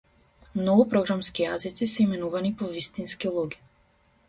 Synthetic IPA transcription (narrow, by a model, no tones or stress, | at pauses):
mnɔɡupɾɔɡɾamskijazit̪sisɛimɛnuvanipɔvist̪inskilˠuɡi̥